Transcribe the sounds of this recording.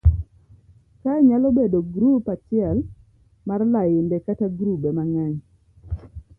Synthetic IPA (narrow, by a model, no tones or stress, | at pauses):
kaɲalɔbedoɡɾupat͡ʃɪɛl | marlajɪndɛkataɡɾubɛmaŋaɲ